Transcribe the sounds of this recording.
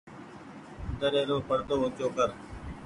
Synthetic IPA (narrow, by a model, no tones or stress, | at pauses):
d̪əɾeːɾoːpəɽt̪oːɦõt͡ʃjoːkəɾ